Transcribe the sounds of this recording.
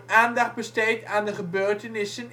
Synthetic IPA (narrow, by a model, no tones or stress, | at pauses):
aːndɑχt̚bəstejtaːndəχəbøːɹtənɪsən